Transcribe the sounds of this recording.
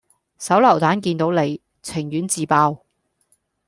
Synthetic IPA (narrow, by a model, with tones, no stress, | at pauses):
sɐ˨˥wlɐ˨˩wt̪aː˨˥nkiː˧nt̪o˨˧˥wle˨˧j | t͡sʰɪ˨˩ŋjyː˨˥nt͡siː˨˧paː˧w